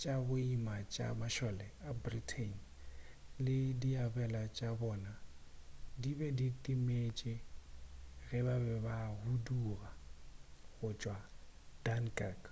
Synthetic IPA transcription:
t͡ʃʼabʊimat͡ʃʼa̰maʃɔlɛabritʰen | lɪdiabɛlat͡ʃʼabɔːna | dibɛditʼimet͡ʃʼɪ | ɣɛbabɛbahuduːɣa | ɣʊt͡ʃʼwad̥ankʼak

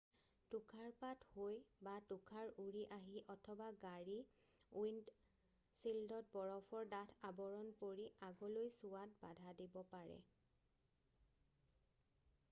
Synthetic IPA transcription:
tukʰaɹpathojbatukʰaɹuɹiʔaɦiʔɔtʰɔbaɡaɹi | wind | sildɔt̚bɔɹɔpʰɔɹdatʰabɔɹɔnpoɹiaɡɔlojsʊwatbadʱadibɔpaɹɛ̰

